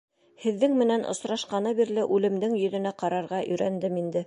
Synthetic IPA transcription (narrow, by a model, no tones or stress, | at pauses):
hɘ̆ðːɘŋmɘ̆nænʔŏ̰sɾɑʃqɑnɤβiɾlɘʔʉlɘ̆md̪ɘŋjɵ̆ðɵ̆næqɑɾɑɾʁɑʔɵ̆jɾænd̪ɘmind̪ɘ